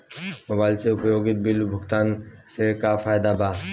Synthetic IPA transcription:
moːbaːɪlseʊpjoːɡɪt̪̚bɪlbʱʊkt̪aːnsekafʰaːjd̪abaː

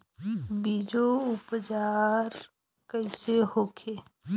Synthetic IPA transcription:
biːd͡ʒoʊpd͡ʒaːɾ | kəɪseɦoːkʰeː

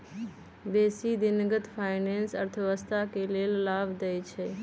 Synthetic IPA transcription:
beːsid̪ɪnɡət̪pʰaːɪnẽːnsəɾt̪ʰəʋəst̪akeleːllaːbd̪eit͡ʃʰeː

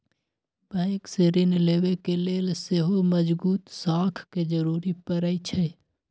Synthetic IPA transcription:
bə̃kseɾɪnleːʋekeleːlseɦoməd͡ʒbuːt̪saːkʰked͡ʒəɾuːɾipəɾəit͡ʃʰɛ

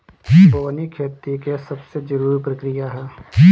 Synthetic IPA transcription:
bɔːnikʰeɾt̪ikesɐbsed͡ʒɐɾuːɾpɾɐkɾijaɦɛː

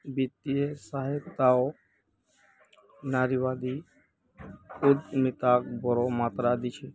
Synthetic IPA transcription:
bit̪iesaɦɪt̪ao | naːɾiʋaːd̪i | ʊd̪mɪt̪ak̚bɔɾomaːt̪ɾad̪it͡ʃʰe

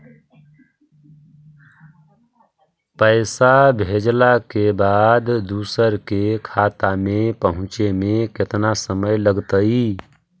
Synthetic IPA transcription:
pəɪsabʱeːd͡ʒlakebaːd̪d̪uːsəɾkekʰaːt̪amẽpəɦʊ̃t͡ʃemẽkɪt̪nasəməjləɡt̪əi

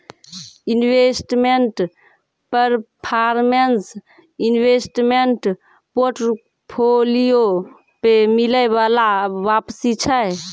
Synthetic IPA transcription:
inwesʈmeɳʈ | pəɾpʰaɾmens | inwesʈmeɳʈ | poɾʈ | pʰolijo | pemiləjbalabapsit͡ʃʰə

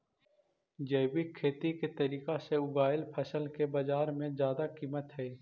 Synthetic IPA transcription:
d͡ʒɐːɪbikʰːeːt̪iket̪əɾiːkaseʊbaːɪlpʰəsəlkebɐd͡ʒaːɾmẽzjaːd̪akiːmət̪ɦɛː

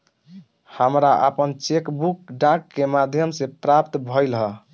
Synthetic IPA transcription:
həmɾaʔə̰pənt͡ʃekbukɖãkːemad̪ʱjəmsẽpɾapt̪bʱɔjlɦə

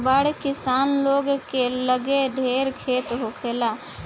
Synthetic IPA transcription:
baɽkɪsaːnloːɡkeləɡeɖʱeːɾkʰeːt̪ɦokʰeːla

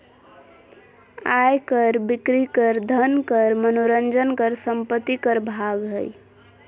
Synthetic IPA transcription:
ajkəɾbikɾikəɾd̪ʱənkəɾmənoɾənd͡ʒənkəɾsəmpət̪ːikəɾbʱaɡɦəj

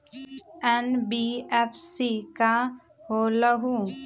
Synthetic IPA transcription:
ɛnbiɛpʰsika | hoːləɦũ

